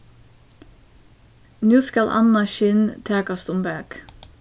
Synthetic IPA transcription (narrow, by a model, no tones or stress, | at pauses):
nʉːskɑlʔɑ̰nɑʃɪnt̪ʰæːkɑst̪ʊmbæːk